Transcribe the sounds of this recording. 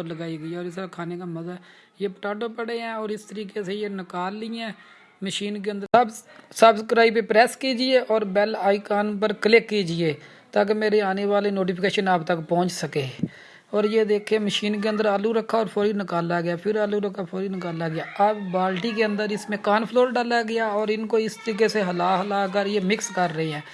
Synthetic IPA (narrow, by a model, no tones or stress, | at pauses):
ələɡaːiɡəɛːɔːɾɪsɾaːkʰaːneːkaːməzɛ | jeːpəʈaːɖõːpəɽeːɛ̃ːɔːɾɪst̪əɾiːkeːseːjeːnɪkaːlːɪːɛ̃ː | məʃiːnk̬eːə̃nd̪əbsəbskɾaːiːp̬eːpɾɛːskiːd͡ʒɪeːʔɔːɾbɛlaːiːkaːnpəɾkəlɪkːiːd͡ʒɪeː | t̪ak̬meːɾeːaːneːʋaːleːnoːʈ̬iːpʰkeːʃənaːbt̪əkpɔ̃ːɲt͡ʃsəkeː | ɔːɾjeːd̪eːkʰeːməʃiːnk̬eə̃nd̪əɾaːluɾəkʰːaːɔːɾpʰɔːɾiːnɪkaːlaːɡɪjaːpʰɪɾaːluːɾəkʰːaːpʰɔːɾiːnɪkaːlaːɡɪjaːɐbbaːlʈiːk̬eːə̃nd̪əɾɪsmẽːkaːnpʰloːɾɖaːlaːɡɪjaːɔːɾɪnkoːɪst̪əɾiːk̬eseɦəlaːɦəlaːk̬əɾjeːmɪkskəɾːəɦeɦɛ̃ː